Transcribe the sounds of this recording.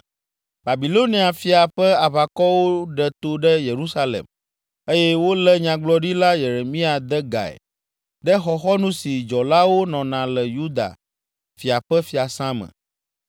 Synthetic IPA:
ba˨bi˨lo˦nĩ˦a˨fi˨a˨ɸɛ˦a˨βa˨kɔ˦wo˦ɖɛ˨t̪o˦ɖɛ˦je˨ɾu˦sa˦lḛ˨m | e˦jɛ˦wo˦lɛ˦ɲã˨ɡ͡blɔ˦ɖi˦la˦je˨ɾe˨mĩ˦a˨d̪ɛ˦ɡa̰˨ɛ̰˨ | ɖɛ˦xɔ˨xɔ˦nũ˦si˨d͡ʒɔ˨la˦wo˦nɔ̃˨nã˨lɛ˨ju˦d̪a̰˨ | fi˨a˨ɸɛ˦fi˨a˨sã˦mɛ̰̃˨

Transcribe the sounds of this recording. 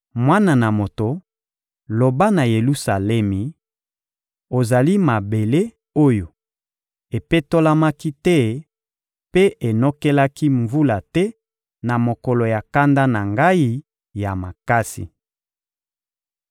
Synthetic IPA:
mwa˦na˨na˨mo˨to˨ | lo˨ba˦na˨je˨lu˦sa˨lɛ˦mi˨ | o˨za˨li˦ma˨be˨le˦ | o˦jo˨ | e˨pe˦to˦la˦ma˦ki˦tɛ˦ | pe˦e˨no˦kɛ˦la˦ki˦ɱvu˦la˨tɛ˦ | na˨mo˨kɔ˨lo˨ja˨ka˦nda˦na˨ŋɡa˦i˦ | ja˨ma˨ka˦sḭ˨

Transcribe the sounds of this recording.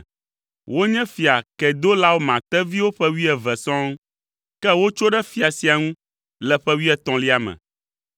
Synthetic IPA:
wo˦ɲɛ̃˦fi˨a˨kɛ˨d̪o˦la˦wo˦mã˨t̪ɛ˦vi˦wo˦ɸɛ˦wi˦ɛ˨vɛ˨sɔ̃˦ŋ˦ | kɛ˦wo˦t͡ʃo˦ɖɛ˦fi˨a˨si˨a˨ŋũ˦ | lɛ˨ɸɛ˦wi˦ɛ˦t̪ɔ̃˨li˦a˨mɛ̰̃˨

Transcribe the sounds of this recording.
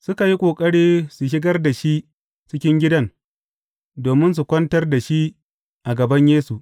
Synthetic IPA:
sʊ˦ka˨ji˦kʷʼoː˨kʼɐ˦ɽiː˦su˨ʃ̬ɪ˦ɡɐ˦rda˨ʃi˦ʔ | t͡ʃɪ˦kʲɪ˦ŋɡʲɪ˦dɐ˦n | doː˨mɪ˦ns̬u˨kʷɐ˦ntɐ˦rda˨ʃi˦ | ʔa˨ɡɐ˨bɐ˦ɲjeː˦su˨ʔ

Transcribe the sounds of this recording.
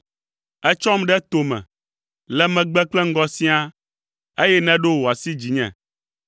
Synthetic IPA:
ɛ˦t͡ʃɔ˦mɖɛ˦t̪o˨mɛ̰̃˨ | lɛ˦mɛ̃˨ɡ͡bɛ˦k͡plɛ˦ŋ̩˦ɡɔ˦sĩ˦a˦ | e˦jɛ˦nɛ̃˦ɖo˦wo˨a˨si˦d͡ʑi˨ɲɛ̰̃˨

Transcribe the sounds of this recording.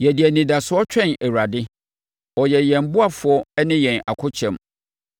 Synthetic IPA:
jɛ˨di˨æ˨nĩ˨da˨sʊ˨˦ɔ˦t͡ɕᶣɛ̃˦˨nɛ˨wɾa˨dɪ˦ | ɔ˨jɛ˨jɛ̃˨m˦bʊ˦a˨fʊ˨ɔ˦ɛ˦nɪ̃˦jɛ̃˨na̰˨kʰʊ˦t͡ɕʰɛ̃˨m

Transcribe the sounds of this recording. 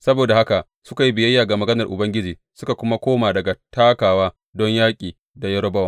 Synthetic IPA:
sɐ˦boː˨da˨ha˦ka˨ʔ | sʊ˦ka˨ji˦bɪ˨jɐ˦jːaː˨ɡa˨mɐ˨ɡɐ˦nɐ˨rʔʊ˨bɐ˦ŋɡʲɪ˦d͡ʒiː˨ | sʊ˦ka˨kʷʊ˦ma˦kʷoː˦maː˨dɐ˨ɡa˨taː˦kaː˨waː˦ | dɔ˦ɲjaː˦kʲʼiː˨ | da˨jɐ˦ɾɔ˦bɐ˦wa˨

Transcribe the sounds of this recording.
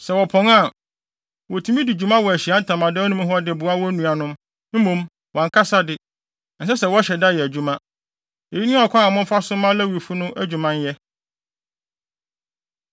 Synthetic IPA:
sɛ˨wɔ˨pʰɔ̃˨˦ŋa˦˨ | wɔ˨tʰũ˨˦mĩ˦di˨d͡ʑᶣu˨mã˦wɔ˨æ˨ɕi˨a˦n̩˦tʰã˨mã˨dɛ˦ɔ˦nʊ̃˦m˦ɦɔ˦dɪ˨bʊ˨a˦wɔ˦æ˦nũ˨a˨nʊ̃˦m | m̩˦mõ˦m | wʔɔ̃˨ŋ˨kʰa˦sa˦dɪ˦ | n̩˨s̬ɛ˦sɛ˨wɔ˦ɕɛ˨da˦˨jɛ˨æ˨d͡ʑu˦mã˦ | e˨di˦nʊ̃˦ɔ˨kʷʰã˦a˨mʊ̃˦fa˦sʊ̃˦mã˦læ˦wi˨fu˦nʊ̃˦ʔæ˦d͡ʑᶣu˨mã˦n˦jɛ˦

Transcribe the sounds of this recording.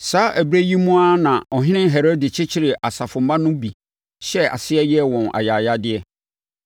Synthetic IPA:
saː˨˦ʔæ˨bɾe˦ji˦mũ˦a˦nã˨ɔ˨ɦɪ̃˦nɪ̃˦ɦe˨ɾo˦dɪ˨t͡ɕʰɪ˦t͡ɕʰɪ˦ɾɪ˨ʔa˨sa˨fʊ̃˨mã˦nʊ̃˦bi˨ | ɕɛ˦a̰˨sɪ˦ɛ˦jɛ˦˨wɔ̃˨nʔa̰˨jaː˨ja˦dɪ˦ɛ˦

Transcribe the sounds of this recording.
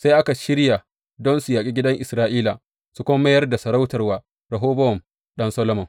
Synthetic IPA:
sa˦jʔa˦ka˨ʃɪ˦ɽja˨ | dɔ˦nsu˨jaː˨kʲʼi˦ɡʲɪ˦dɐ˦ŋʔɪ˨sɾaː˦ʔiː˦la˨ | su˨kʷo˦ma˦mɐ˦jɐ˦rda˨sɐ˨ɾa˦wtɐ˨rwaː˨ | ɾɐ˨ɦoː˦bɐ˦wɔ˨m | ɗɐ˦nsɐ˦lo˦mɔ˨ŋ

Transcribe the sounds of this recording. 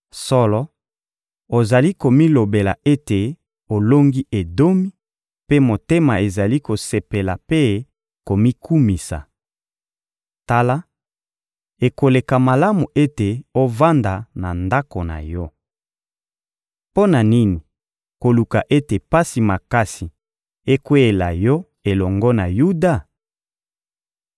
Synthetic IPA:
sɔ˦lɔ˦ | o˨za˨li˦ko˨mi˦lo˨be˨la˨e˦te˨ | o˨lo˦ŋɡi˦ʔe˨do˦mi˦ | pe˦mo˨te˦ma̰˨e˨za˨li˦ko˨se˨pe˨la˨pe˦ | ko˨mi˦kʰu˦mi˨sa̰˨ | ta˦la˦ | e˨ko˨le˨ka˨ma˨la˦mu˨ʔe˦te˨o˦va˦nda˨na˨nda˦ko˨na̰˨jɔ˦ | po˦na˨ni˦ni˨ | ko˨lu˨ka˨ʔe˦te˨pa˦si˨ma˨ka˦si˨ | e˦kwe˦e˨la̰˨jɔ˦ | e˨lɔ˨ŋɡɔ˦na˨ju˦da˦˨

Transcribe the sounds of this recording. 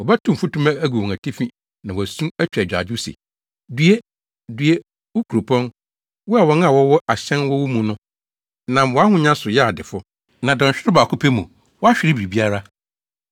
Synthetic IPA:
wɔ˨bæ˦tʰʊ̃˨m̩˨fu˦tũ˦mã˦æ˦ɡu˨wɔ̃˨ŋæ˨tʰi˦fĩ˦ | nã˨wæ˨sũ˦æ˦t͡ɕᶣɛ˨d͡ʑᶣa̰˨d͡ʑʊ˦sḛ˨ | dɥe˦ | dɥe˦ | wʊ˦kʰu˨ɾo˨pʰɔ̃˦n | wɔ˦a˨wɔ˦n˦a˨wɔ˦wɔ˦ʔa˨ɕɛ̃˦nwɔ˦wu˦mũ˨nʊ̃˦ | nã˨mwɔ˨a˦hʊ̃˦ɲã˦sʊ˨jɛ˦a˨dɪ˨fʊ˦ | nã˨dã˨ɲ̩˨ɕᶣɪ˦ɾʊ˦ba˨kʊ˦pʰe˦mũ˨ | wɔ˦a˦ɕᶣɪ˨ɾɪ˦bi˨ɾi˨bi˦a˦ɾa˦

